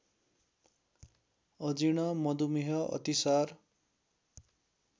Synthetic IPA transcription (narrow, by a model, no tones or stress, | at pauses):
ʌd͡ziɽʌmʌd̪umiɦʌʌ̰t̪isar